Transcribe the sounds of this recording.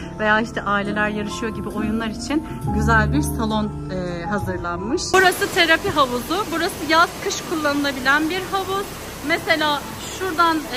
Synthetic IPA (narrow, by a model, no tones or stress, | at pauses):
ve̞jaːiʃt̪ʰɛʔaːilʲe̞lʲæɾjaɾɯʃɯjo̞ɟibio̞junlˠaɾit͡ʃʰin | ɟyzælʲbiɾsalˠo̞n | ɛɦazɯɾlˠanmɯʃbuɾasɯt̪ʰe̞ɾapiɦavuzʊbuɾasɯjazkʰɯʃkʰulˠːanɯlˠabilʲænbiɾɦavuz̥ | mese̞lʲaː | ʃuɾd̪an